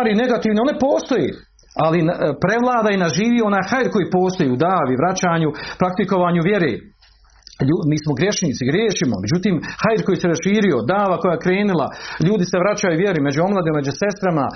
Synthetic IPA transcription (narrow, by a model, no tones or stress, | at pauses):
aɾine̞ɡat̪iːʋneo̞ne̞po̞ːst̪o̞jḛː | alinpɾe̞ʋlˠaːd̪ainaʒiːʋio̞naːjxajiɾko̞jiːpo̞ːst̪o̞jiːud̪aːʋiʋɾat͡ɕaːɲupɾakt̪iko̞ʋaːɲuʋje̞ɾḛː | ʎumiːsmoɡɾʲje̞ʃniːt̪siɡɾjeːʃimo̰me̞d͡ʑut̪iːmhaiɾko̞jiːseɾasʃiːɾio̞d̪aːʋako̞jaːjekɾe̞ːnilˠa̰ʎuːd̪ise̞ʋɾat͡ɕajuʋje̞ɾime̞d͡ʑuo̞mlˠad̪imme̞d͡ʒuse̞st̪ɾama